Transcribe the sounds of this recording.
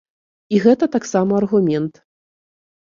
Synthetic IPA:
iɣɛt̪ɐt̪aksamɐɐrɣumʲɛnt̪

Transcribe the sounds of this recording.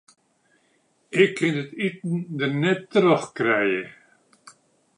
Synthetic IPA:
ɪkʰːɪndɪtitn̩d̪ənɛtːəɾəχkɾɛjə

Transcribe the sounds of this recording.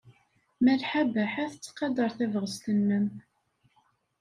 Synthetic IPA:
mælħabəħæθət͡sːqɑd̪ˤəɾˤθævʁəst̪ənːəm

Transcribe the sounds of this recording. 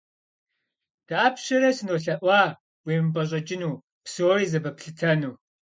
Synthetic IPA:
d̥aːpɕɐɾɐsɨnoːɬɐʔʷɑː | wiːmpʼɐɕ̬ʼɐt͡ʃʼɪnuː | psoːɾiːzɐbɐpɬɨtʰɐnuː

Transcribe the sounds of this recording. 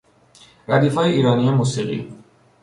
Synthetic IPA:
ɾæd̪iːfɒːjeiːɾɒːnijemuːsiːɣḭ

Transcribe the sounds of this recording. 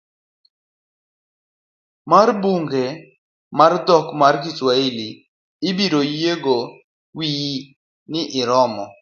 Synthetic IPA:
marbuŋɡe | mard̪ɔkmarɡiswaili | ɪbiɾojeɡo | wi | nɪʔɪɾɔmɔ

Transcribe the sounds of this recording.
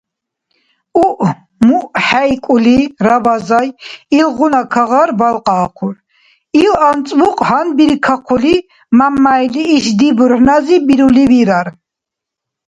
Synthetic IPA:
uʔ | muʔħajkʼuliɾavazajilʁunakʰaʁaɾbalqʼaːqʰuɾ | ilant͡sʼvuqʼhanbiɾkʰaqʰuli | mamːajliːʃd̪ibuɾħnazibiɾuliviɾaɾ

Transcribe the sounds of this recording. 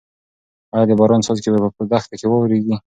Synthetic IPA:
ɑjɑd̪əbɑɾɑnsɑzkebapəpəd̪axt̪akewɑwɾeɡi

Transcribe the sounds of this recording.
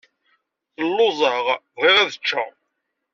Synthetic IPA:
θəlːʊzˤɑʁ | ðiʁæðət͡ʃːæ̰

